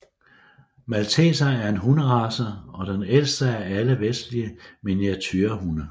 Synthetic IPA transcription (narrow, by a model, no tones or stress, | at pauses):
mælt͡sʰḛːsɐæɐe̝nɦunəʁɑ̈sɐɒ̽d̥enel̰sd̥əæɐæləʋesd̥liəmenjɑ̈t͡sʰyːɐɦunə